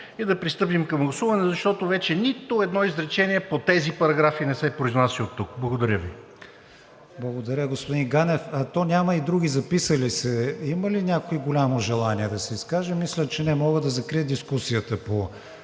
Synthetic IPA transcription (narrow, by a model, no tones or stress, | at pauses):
id̪ɐpɾist̪ɤp̬imkɐmɡlˠɐsuvɐnɛzɐʃt̪ɔt̪ovɛt͡ʃɛnit̪ʊɛd̪nɔizɾɛt͡ʃɛniɛpot̪ɛzipɐɾɐɡɾafinɛsɛpɾoiznasiot̪ːuk̚blˠɐɡod̪ɐɾʲəvi | blˠɐɡod̪ɐɾʲəɡospʊd̪inɡanɛfɐt̪ɔnʲamɐid̪ɾuɡʲizɐpisəlisɛiməlinʲakoiɡolʲamoʒɛlˠaniɛd̪ɐsɛiskaʒɛmislʲət͡ʃɛnɛmɔɡəd̪ɐzɐkɾiəd̪iskusijət̪əpo